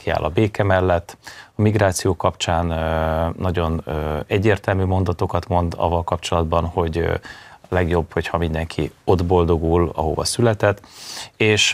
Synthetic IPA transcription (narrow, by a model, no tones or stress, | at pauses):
kia̰ːlʔɒbeːkɛmɛlːɛt̪ːɒmiɡɾaːt̪sijoːkɒpt͡ʃaːnː | ɒɟo̞nɛɟːeːrt̪ɛlmyːmo̞nd̪ɒt̪o̞kɒt̪mo̞nd̪ɒ̰vːɒlkɒpt͡ʃo̞lɒd̪bɒnho̞ɟ | lɛɡjo̞bho̞chɒmind̪ɛŋkʰio̞d̪bo̞ld̪o̞ɡulɒ̰ɦo̰bɒ̰sylɛt̪ɛt̪ːeːʃ